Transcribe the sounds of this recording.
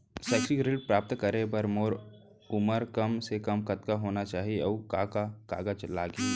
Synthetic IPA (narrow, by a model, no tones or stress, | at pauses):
sɛːksikɾɪlpɾaːp̚t̪kəɾebəɾmoːɾ | ʊməɾkəmsekɐmkət̪kaɦoːnat͡ʃaːɦieɔːkakaka̰ːɡat͡ʃlaːɡeː